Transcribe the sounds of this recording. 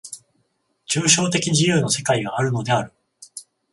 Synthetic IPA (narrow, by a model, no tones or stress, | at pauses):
t͡ɕɨːɕo̞ːt̪e̞kʲiʑijɯːno̞se̞kaiɡaːɾɯ̟no̞d̪e̞aɾɯ̟